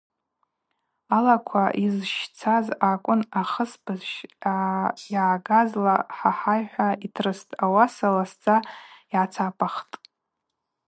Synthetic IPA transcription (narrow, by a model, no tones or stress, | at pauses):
alakʷʰaʔizʃt͡sʰazakʷʼʊnaχəspʰʼɨzʃ | jaʕɡazlaħaħajħʷaitʰrɨstʼawasalast͡sʼaiʕat͡sʰapʼaχtʼ